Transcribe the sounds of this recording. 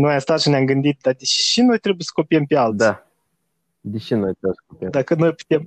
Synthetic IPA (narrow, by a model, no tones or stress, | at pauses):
nojast̪at̪ʃəneamɡɨnd̪it̪̚d̪ad̪eʃino̞jt̪ɾe̞bujesə̥ko̞piempealt̪a | d̪eʃinojt̪ɾebjsə̥kopied̪akəno̞jpu̥t̪e̞m